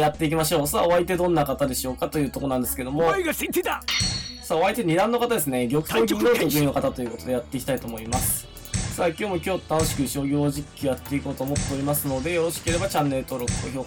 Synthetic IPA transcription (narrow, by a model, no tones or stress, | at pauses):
jat̪ːe̞ik̬ʲimaɕo̞ːsaːo̞βait̪e̞d̪õ̞nːakat̪ad̪e̞ɕio̞ːkat̪o̞jɯ̟ːt̪o̞ko̞nãnd̪e̞sɨ̥ke̞d̪o̞moɡasit̪et̪asaːo̞βait̪e̞ɲ̟id̪ãnːo̞kat̪ad̪e̞sɨneɡʲo̞kɯ̟̥t̪ok̪ʲːed͡ʑɯno̞kat̪at̪o̞jɯ̟kot̪o̞d̪e̞at̪ːe̞iki̥t̪ait̪o̞ːmo̞imasɨ̥ | saːkʲo̞ːmo̞kʲo̞ːt̪anoɕi̥kɯ̟ɕo̞ɡʲo̞ːʑikʲːiojat̪ːe̞iko̞ːt̪oːmo̞t̪ːe̞oɾʲimasɨno̞d̪e̞jooɕi̥keɾe̞bat͡ɕãnːe̞ɾɯ̟t̪o̞ːɾo̞kɯ̥t̪oçoː